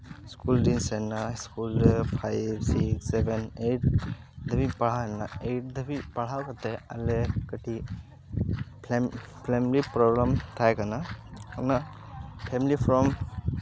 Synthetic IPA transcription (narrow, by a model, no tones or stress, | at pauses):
skuldinsɛnaskulpʰajbsiksebenejʈ | d̪ʱəbipaɭ̤aana̰eʈ̚d̪ʱəbipaɽ̤awkat̪ealekaʈʰi | p | pʰlemlipɾɔɡɾamt̪ʰajkanakana | pʰemilipʰɾɔm